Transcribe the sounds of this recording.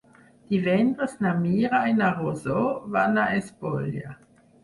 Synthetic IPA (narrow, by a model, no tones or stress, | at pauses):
divendosnamiːɾajnaʁozovanaʔesbolja̰